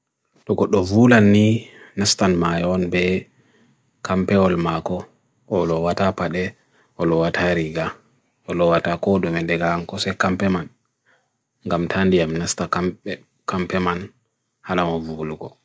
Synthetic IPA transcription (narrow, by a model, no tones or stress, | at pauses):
ɗɔɡɔɗːɔvulanːi | nastanmajɔnbɛ | kʰampɛɔlmakɔ | ʔːlɔwatapaɗɛ | ɔlɔwatʰaɾiɡa | ʔɔlɔwatakɔdɔmɛdɛɡamkɔsɛkampɛman | ŋɡamtʰandijamnastaka | kampɛman | halamavulɡɔ̰